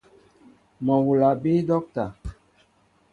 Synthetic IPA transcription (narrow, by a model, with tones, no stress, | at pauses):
mɔ˨wu˨la˨bi˦dɔ˦k̚ta˨